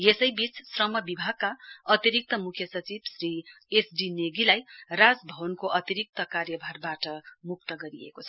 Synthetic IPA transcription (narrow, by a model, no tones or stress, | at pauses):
jesʌjbit͡ssrʌmʌbibʱaɡ̚kːaʌt̪iɾik̚t̪ʌmukʰjʌsʌt͡sibsri | esɖineɡilajrad͡zbʱʌbʌnkoʔʌt̪iɾik̚t̪ʌkarjʌbʱarbaʈʌmuk̚t̪ʌɡʌɾiḛkot͡sʰʌ̥